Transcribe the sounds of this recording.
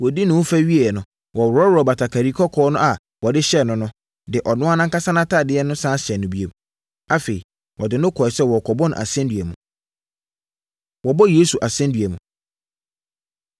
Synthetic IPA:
wɔ˨di˦nʊ̃˨wʊ˦fæ˦ɥi˦e˨nʊ̃˨ | wɔ˨ɾɔ˦wɔ˨ba˨tʰa˨kʰa˨ɾi˨˦kʰɔ˦kʰɔː˦nʊ̃˦a˨ | wɔ˨dɪ˦ɕɛ˦nʊ̃˨nʊ̃˦ | dɪ˨ʔɔ˨nʊ̃˦a˦nã˦ŋka˦sa˦nã˦tʰa˦˨dɪ˦ɛ˦nʊ̃˦sã˦ɕɛ˨nːʊ̃˨bi˦e˨m | a˦fe˨i˨ | wʔɔ˨dɪ˨nʊ̃˦kʰɔ˨ɪ˨sɛ˦wɔ˨kʰɔ˨bɔ˦nʊ̰̃˨ʔa̰˨sɛ̃˦ndɥæ˨mũ˨ | wɔ˨bɔ˦je˦su˨ʔa˨sɛ̃˦ndɥæ˨mũ˨

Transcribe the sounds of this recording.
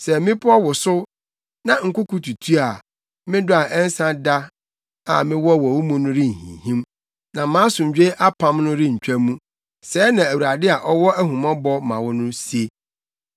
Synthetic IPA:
sɛ˨mɪ̃˦pʰʊ˦ɔ˦wʊ˨sʊ˦ | nã˨ŋ̩˨kʊ˦kʰu˨˦tʰu˨tʰu˦a˨ | mɪ̃˦dʊ˦a˨ʔɛ˦n̩˦sã˦da˦ | a˨mɪ̃˦wɔ˦wɔ˨wu˦mũ˦nʊ̃˦ɾɪ˦ŋ̩˨hḭ̃˨hĩ˦m | nã˨mã˨˦sʊ̃˨ɲ˨d͡ʑᶣe˦ʔa˦pʰã˦mnʊ̃˦ɾɪ˦ɲ̩˨t͡ɕᶣæ˦mũ˦ | sɛː˨˦nã˨æ˨wu˨ɾa˨dɪ˦a˨ʔɔ˦wɔ˦æ˦ɦũ˨mã˦bɔ˦mã̰˨wʊ˦nʊ̃˦si˦e˦

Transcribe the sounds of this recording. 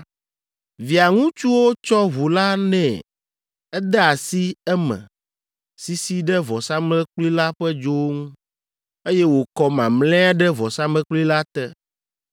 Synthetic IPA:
vi˨a˨ŋũ˦t͡ʃu˦wo˦t͡ʃɔ˦βu˨la˦nɛ̰̃˨ | ɛ˦d̪ɛ˦a˨si˦ɛ˦mɛ̰̃˨ | si˦si˦ɖɛ˦vɔ˨sa˦mlɛ̃˦k͡pli˦la˦ɸɛ˦d͡ʒo˦wo˦ŋũ˦ | e˦jɛ˦wo˨kɔ˦mã˨mlɛ̃˦a˦ɖɛ˦vɔ˨sa˦mɛ̃˦k͡pli˦la˦t̪ɛ˦

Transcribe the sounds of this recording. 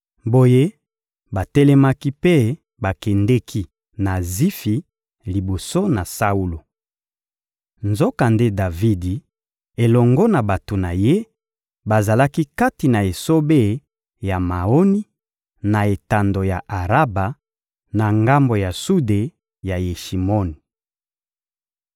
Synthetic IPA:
bo˨je˦ | ba˨tɛ˦lɛ˦ma˦ki˦pe˦ | ba˨kɛ˨ndɛ˦kʰi˦ | na˨zi˦fi˨ | li˨bo˨so˦na˨sa˦u˦lo˨ | nzo˦ka˨nde˦da˨vi˦di˨ | e˨lɔ˨ŋɡɔ˦na˨ba˨to˨na˨je˦ | ba˨za˨la˦ki˦ka˦ti˨na˨e˨so˦be˦˨ | ja˨ma˨o˦ni˦ | na˨e˨ta˨ndo˨ja˨ʔa˨ʁa˦ba˨ | na˨ŋɡa˦mbo˨ja˨su˦de˨ | ja˨je˨ʃi˨mɔ˦ni˨

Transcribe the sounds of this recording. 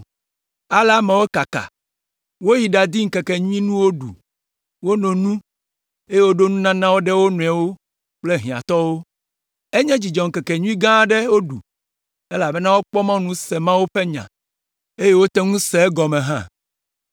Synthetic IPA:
a˦lɛ˦a˦mɛ̃˨wo˦ka˨ka̰˨ | wo˦ji˨ɖa˨d̪i˦ŋ̩˨kɛ˨kɛ˨ɲũ˦ĩ˦nũ˦wo˦ɖṵ˨ | wo˦nõ˨nũ˦ | e˦je˦wo˦ɖo˦nũ˦nã˦nã˦wo˦ɖɛ˦wo˦nɔ̃˨a˨wo˦ | k͡ple˦ɦĩ˨ã̰˨t̪ɔ˦wo˦ | e˦ɲɛ̃˦d͡ʑi˨d͡ʒɔ˨ŋ̩˨kɛ˨kɛ˨ɲũ˦ĩ˦ɡã˦ɖe˦wo˦ɖṵ˨ | e˦la˨bɛ˦nã˦wo˦k͡pɔ˦mã˦nũ˦sɛ˨mã˦wo˦ɸe˦ɲã̰˨ | e˦je˦wo˦t̪ɛ˦ŋũ˦sɛ˨˦ɡɔ˨mɛ̃˨ɦã̰˦

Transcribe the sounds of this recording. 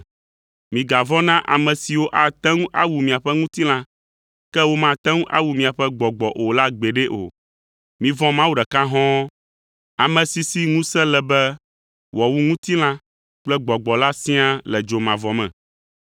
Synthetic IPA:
mĩ˨ɡa˨vɔ˦nã˦ʔa̰˨mɛ̃˨si˨wo˦ʔa˨t̪ɛ̃˦ŋũ˦ʔa̰˦wu˨mĩ˨a˨ɸɛ˦ŋũ˦t̪i˦l̃ã˦ | kɛ˦wo˦mã˦t̪ɛ̃˦ŋũ˦ʔa̰˦wu˨mĩ˨a˨ɸɛ˦ɡ͡bɔ˨ɡ͡bɔ˨ʔo˨la˦ɡ͡be˨ɖɛ˦ʔo̰˨ | mĩ˨vɔ̃˦mã˦wu˦˨ɖɛ˨ka˦ɦɔ̃˦ | a˨mɛ̃˨si˨si˦ŋũ˦sɛ̃˦lɛ˨bɛ˦ | wɔ˨wu˦ŋũ˦t̪i˦l̃ã˦ | k͡plɛ˦ɡ͡bɔ˨ɡ͡bɔ˨la˦sĩ˦a˦lɛ˨d͡ʒo˨mã˨vɔ˨mɛ̰̃˨

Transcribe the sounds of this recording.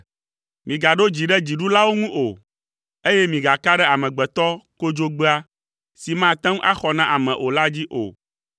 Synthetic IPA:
mĩ˨ɡa˨ɖo˦d͡ʑi˨ɖɛ˦d͡ʑi˨ɖu˦la˦wo˦ŋũ˦ʔo˨ | e˦jɛ˦mĩ˨ɡa˨ka˦ɖɛ˦a˨mɛ̃˨ɡ͡bɛ˨t̪ɔ˦ko˦d͡ʒo˦ɡ͡be˦a˦ | si˨mã˦˨t̪ɛ̃˦ŋ˦ʔa˦xɔ˨nã˦ʔa˨mɛ̃˨ʔo˨la˦d͡ʑi˦ʔo̰˨

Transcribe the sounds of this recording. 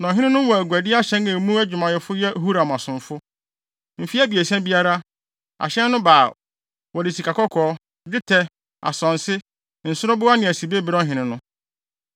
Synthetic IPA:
nã˨ɦɪ̃˦ɪ̃˦nʊ̃˦wɔ˨æ˨ɡʷu˨æ˨dɪ˦a˦ɕɛ̃˦nɛ˨mũ˦æ˦d͡ʑᶣʊ˨mã˨jɛ˨fʊ˦jɛ˦hu˦ɾa˨m˨ã˨sʊ̃˨mfʊ˦ | m̩˨fi˦æ˦bi˨e˨sɛ̃˦bi˦a˦ɾa˦ | a̰˨ɕɛ̃˦nː˦ʊ̃˦baː˨ | wɔ˨dɪ˨si˨kʰa˨kɔ˦kʰɔː˨˦˨ | d͡ʑɪ˦tʰɛ˦ | a̰˨sɔ̃˨nsɪ˦ | n̩˨sʊ˦ʊ˦bʊ˦a˦nɪ̃˨æ˨si˨be˦bɪ˨ɾɔ˦ɦɪ̃˨nɪ̃˦nʊ̃˦

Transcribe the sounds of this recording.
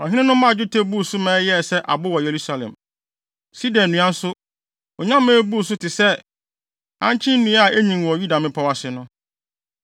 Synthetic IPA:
ɔ˨ɦɪ̃˦nɪ̃˦nʊ̃˦mã˦˨d͡ʑᶣʊ˦tʰe˦bu˦˨sʊ˦mɛ̃ː˨˦jɛ˦˨sɛ˦ʔa̰˨bʊ˦wɔ˨je˨ɾu˦sa˦lɛ̰̃˨m | si˦dɔ̃˨nː˨ũ˨ã˦n̩˦sʊ˦ | ɔ˨ɲã˦mːɛ̃ː˦bu˦˨s̬ʊ˦tʰɪ˨sɛ˦ | ã̰˦ɲt͡ɕʰɪ̃˦n̩˦nũ˨˦a˨e˦ɲĩ˨ŋ˨ɔ˨ju˦da˨mɪ̃˦pʰa˦wa˨sɪ˨nʊ̃˦

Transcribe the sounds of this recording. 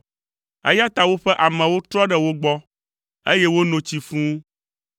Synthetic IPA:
ḛ˦ja˦t̪a˨wo˦ɸɛ˦ʔa˨mɛ̃˨wo˦t̪ɾɔ˦ɖɛ˦wo˦ɡ͡bɔ˦ | e˦jɛ˦wo˦nõ˨t͡ɕi˨fũ˦

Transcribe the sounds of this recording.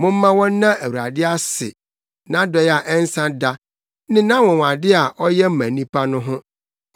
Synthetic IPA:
mʊ̃˦m̩˦mã˦wɔ̃˦n˦nã˦æ˨wu˨ɾa˨dɪ˦a˦sɪ̰˨ | nã˦dɛ˨˦ja˨ʔɛ˦n˦sã˦da˦ | nɪ̃˦nã˦wɔ̃˨wa˨dɪ˦a˨ʔɔ˦jɛ˦m̩˦mæ̃˨nĩ˦pʰa˦nʊ̃˦ɦʊ̃˦

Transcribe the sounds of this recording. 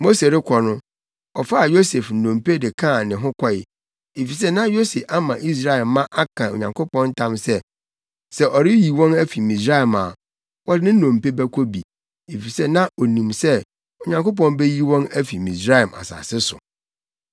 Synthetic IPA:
mo˦se˨ɾɪ˦kʷʰɔ˨nʊ̃˦ | ɔ˨fa˦a˨jo˦se˨fn̩˨nõ˨mpe˦dɪ˨kʰã˦˨nɪ̃˨ɦʊ̃˦kʷʰɔ˦ɪ˨ | e˨fi˨s̬ɛ˦nã˦jo˦se˨fa˦mã˨ʔi˦s̬ɾa˦ɛ˨lmã˦ʔa˦kʰã˨o̰˨ɲã˨ŋko˦pɔ̃˦n̩˦tʰã˦msɛ˦ | sɛ˦ʔɔ˨ɾɪ˦ji˨wɔ̃˦næ˦fi˨mĩ˨sɾa˦i˨ma˨ | wɔ˦dɪ˦nɪ̃˦n̩˦nõ˨m˨pe˦bæ˦kʷʰɔ˦bi˨ | e˨fi˨sɛ˦nã˦o˨nĩ˨msɛ˦ | o˨ɲã˨ŋko˦p̬ɔ̃˦n˦bɛ˦ji˦wɔ̃˦næ˦fi˨mĩ˨sɾa˦ɛ˨mʔa̰˨sa̰ː˨sɪ˦sʊ̰˨

